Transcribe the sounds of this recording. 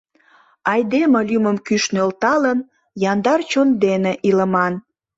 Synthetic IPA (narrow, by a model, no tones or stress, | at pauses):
ɑjd̪eməlyməmkyʃnølt̪ɑlən | jɑnd̪ɑrt͡ɕond̪eneʔiləmɑn